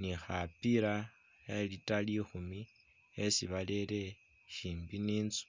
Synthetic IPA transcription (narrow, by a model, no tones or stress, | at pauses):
nixapiɾa | elitalixumi | esiβalele̞ | ʃiːmbiniːnt͡su̥